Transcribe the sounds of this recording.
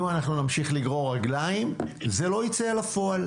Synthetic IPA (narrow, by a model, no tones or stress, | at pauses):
manaχnunamʃiχliɡʁo̞ʁaɡlaimzelo̞it͡sealafo̞al